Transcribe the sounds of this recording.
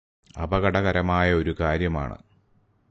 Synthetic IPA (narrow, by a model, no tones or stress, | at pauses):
ɐ̰bɐɣɐɽɐɣɐɾɐmaːjɐo̞ɾukaːɾjɐma̰ːɳɨ̰